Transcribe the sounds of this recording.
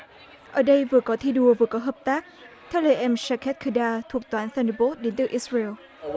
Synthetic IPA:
ʔəː˧˩ɗə˧jvɨ˨˩əkɔ˨˦t̪ʰi˧ɗu˧˩əvɨː˨˩əkɔ˨˦ɦəː˨˩p̚t̪aː˦˥k̚ | t̪ʰɛ˧wlə̰ː˨˩jʔɛ˧msaː˧kʰɛ˦˥t̚kʰɨ˧ɗaː˧t̪ʰu˨˩ək̚t̪waː˨˦nθɛ˧nə˧bɔ˦˥t̚ɗe˨˦nt̪ɨ˨˧˩ʔi˦˥sɹa˧ɛ˧l

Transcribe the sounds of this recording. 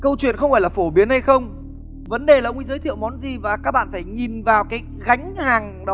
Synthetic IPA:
kə˧wt͡ɕwḭ˧˨ənxə˧wŋ͡mfaː˧˩laː˨˩fo˧˩ɓi˨˦ənha˧jxə˧wŋ͡m | və˨˦nɗe˨˩laː˨˩ʔə˧ŋ͡mʔi˨˦zəː˨˦jt̪ʰḭ˧˨wmɔ˨˦nzi˨˩vaː˨˩kaː˦˥k̚ɓa̰ː˧˨nfaː˧˩jŋi˨˩nvaː˨˩wkaː˨˦j | ɣa˨˦jŋ̟haː˨˩ŋɗɔ˨˦

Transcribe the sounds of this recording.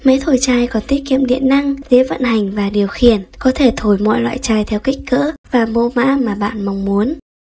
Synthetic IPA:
mə˨˦jt̪ʰo˧˩jt͡ɕaː˧jkɔ˨˦nt̪i˦˥əp̚kḭ˧˨əmɗḭ˧˨ənːa˧ŋze˨˦və̰˧˨nha˨˩jŋ̟vaː˨˩ɗi˨˩əwxi˧˩ənkɔ˨˦t̪ʰe˧˩t̪ʰo˧˩jmɔ̰˧˨jlwa̰ː˧˨jt͡ɕaː˧jt̪ʰɛ˧wka˦˥k̟̚kə̰ː˧˥vaː˨˩mo˧ma̰ː˧˥maː˨˩ɓa̰ː˧˨nma˧wŋ͡mmu˨˦ən

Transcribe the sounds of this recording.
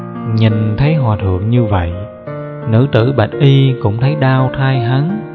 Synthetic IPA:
ɲi˨˩ŋ̟t̪ʰə˨˦jɦwaː˨˩t̪ʰɨ̰˧˨əŋɲɨ˧və̰˧˨j | nɨ̰˧˥t̪ɨ̰˧˩ɓə˨˩t̚ʔi˧kʊ̰˧˥ŋ͡mt̪ʰə˨˦jɗaː˧wt̪ʰaː˧jɦa˨˦n

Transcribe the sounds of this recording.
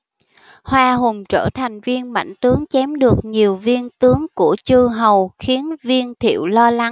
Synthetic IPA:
hwaː˧ɦʊ˨˩ŋ͡mt͡ɕə̰ː˧˩t̪ʰa˨˩jŋ̟vi˧ənma̰˧˩˨jŋ̟t̪ɨ˨˦əŋt͡ɕɛ˨˦mɗɨ˨˩ək̚ɲi˨˩əwvi˧ənt̪ɨ˨˦əŋkṵ˧˩ət͡ɕɨ˧ɦə˨˩wxi˨˦ənvi˧ənt̪ʰḭ˧˩˨əwlɔ˧la˨˦ŋ

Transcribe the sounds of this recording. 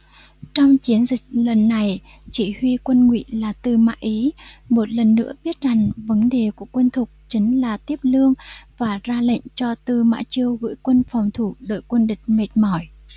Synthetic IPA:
t͡ɕɔ˧wŋ͡mt͡ɕi˨˦ənzï˨˩k̟̚lə˨˩nːa˨˩j | t͡ɕi˧˩hwi˧kwə˧nŋwḭ˧˨laː˨˩t̪ɨ˧˨˩ma̰ː˧˥ʔi˨˦mo˨˩t̚lə˨˩nːɨ̰˧˥əɓi˦˥ət̚za˨˩ŋvə˨˦nɗe˨˩ku˧˩əkwə˧nt̪ʰʊ˨˩k͡p̚t͡ɕi˨˦ŋ̟laː˨˩t̪i˦˥əp̚lɨ˧əŋvaː˨˩zaː˧lə̰˧˨ŋ̟t͡ɕɔ˧t̪ɨ˧ma̰ː˧˥t͡ɕi˧əwɣɨ̰˧˥jkwə˧nfɔ˨˩wŋ͡mt̪ʰu˧˩ɗo̰ː˧˨jkwə˧nɗï˨˩k̟̚me˨˩t̚mɔ˧˩j

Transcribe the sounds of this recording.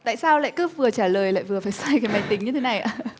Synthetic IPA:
t̪a̰ː˧˨jsaː˧wla̰ː˧˨jkɨ˦˥p̚vɨ˨˩ət͡ɕaː˧˩ləː˨˩jla̰ː˧˨vɨ˨˩əfaː˧˩jsaː˧jkaː˨˦ma˨˩jt̪ï˩˦ŋɲɨ˧t̪ʰe˨˦na˨˩jʔa̰ː˧˩

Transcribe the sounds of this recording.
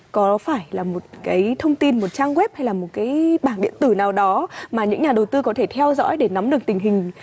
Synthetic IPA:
kɔ˨˦faː˧˩jlaː˨˩mo˨˩t̚kaː˨˦jt̪ʰə˧wŋ͡mt̪i˧nmo˨˩t̚t͡ɕaː˧ŋɣwɛ˦˥p̚ha˧jlaː˨˩mo˨˩t̚kaː˨˦jɓaː˧˩ŋɗḭ˧˨ənt̪ɨ˧˩naː˨˩wɗɔ˨˦maː˨˩ɲɨ̰˧˥ŋɲaː˨˩ɗə˨˩wt̪ɨ˧kɔ˨˦t̪ʰe˧˩t̪ʰɛ˧wzɔ̰˧˥jɗe˧˩na˨˦mɗɨ˨˩ək̚t̪ï˨˩ŋ̟ɦï˨˩ŋ̟

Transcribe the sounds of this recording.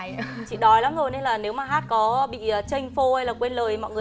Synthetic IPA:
t͡ɕḭ˧˨ɗɔ˨˦jla˨˦mzo˧˩jne˧nlaː˨˩ne˨˦wmaː˨˩ɦaː˦˥t̚kɔ˨˦ɓḭ˧˨əː˨˩t͡ɕə˧jŋ̟fo˧hə˧jlaː˨˩kwe˧nləː˨˩jmɔ̰˧˨jŋɨ˨˩ə

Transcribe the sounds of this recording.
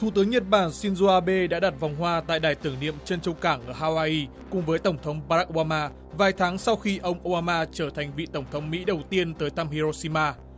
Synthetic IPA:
t̪ʰu˧˩t̪ɨ˨˦əŋɲə˨˩t̚ɓaː˧˩nsi˧nzo˧ʔaː˧ɓe˧ɗa̰ː˧˥ɗa˨˩t̚va˨˩wŋ͡mɦwaː˧t̪a̰ː˧˨jɗaː˨˩jt̪ɨ˧˩əŋnḭ˧˨əmt͡ɕə˧nt͡ɕə˧wkaː˧˩ŋʔəː˧˩haː˧waː˧ʔi˧ | kʊ̰˧˨ŋ͡mvəː˨˦jt̪ə˧˩ŋ͡mt̪ʰə˨˦wŋ͡mɓaː˧˦˥ʔo˧ɓaː˧maː˧ | vaː˨˩jt̪ʰaː˨˦ŋsa˧wxi˧ʔə˧wŋ͡mʔo˧ɓaː˧maː˧t͡ɕəː˧˩t̪ʰa˨˩jŋ̟vḭ˧˨t̪ə˧˩wŋ͡mt̪ʰə˨˦wŋ͡mmḭ˧˥ɗə˨˩wt̪i˧ənt̪əː˨˦jt̪ʰa˧mhi˧zo˧si˧maː˧

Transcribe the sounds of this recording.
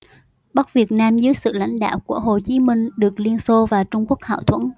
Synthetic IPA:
ɓə˦˥k̚vi˨˩ət̚naː˧mzɨ˨˦əjsɨ̰˧˨la̰˧˥jŋ̟ɗa̰ː˧˨wku˧˩əɦo˨˩t͡ɕi˨˦mï˧ŋ̟ɗɨ˨˩ək̚li˧ənso˧vaː˨˩t͡ɕʊ˧ŋ͡mku˦˥ək̚ha̰ː˧˨wt̪ʰwə̰˧˥˨n

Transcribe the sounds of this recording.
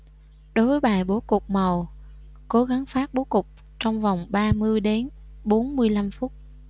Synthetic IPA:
ɗo˨˦jvəː˨˦jɓaː˨˩jɓo˨˦kʊ˨˩k͡p̚mə˨˩w | ko˨˦ɣa˨˦ŋfaː˦˥t̚ɓo˨˦kʊ˨˩k͡p̚ | t͡ɕɔ˧wŋ͡mva˨˩wŋ͡mɓaː˧mɨ˧əjɗe˨˦n | ɓo˨˦nmɨ˧əjla˧mfʊ˦˥t̚

